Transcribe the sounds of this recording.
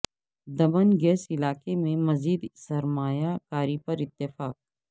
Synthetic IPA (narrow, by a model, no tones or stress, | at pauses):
d̪ɐbənɡɛːsɪlaːkemẽmɐziːd̪sɐɾmaːjakaːɾipɐɾɪt̪ːɪfaːk̚